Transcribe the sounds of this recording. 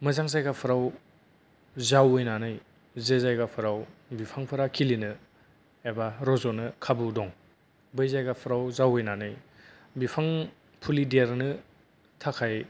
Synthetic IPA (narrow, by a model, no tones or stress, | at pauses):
mɐzaŋzajɡapʰɯɾaw | zawɯjnanɯj | zezajɡapʰɯɾawbipʰaŋpʰɯɾakʰilinɯ | ebaɾɔzɔnɯkʰabudɔŋ | bɯjzajɡapʰɯɾawzawɯjnanɯj | bipʰaŋ | pʰulideɾnɯ | tʰakʰaj